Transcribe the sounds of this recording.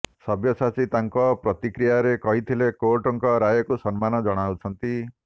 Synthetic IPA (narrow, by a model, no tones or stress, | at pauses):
sɔbjɔsat͡ʃit̪aŋkɔpɾɔt̪ikɾijaɾekɔɦit̪ʰilekoɾʈɔŋkɔɾajɔkusɔnmanɔd͡ʒɔɽ̃awt͡ʃʰɔnt̪i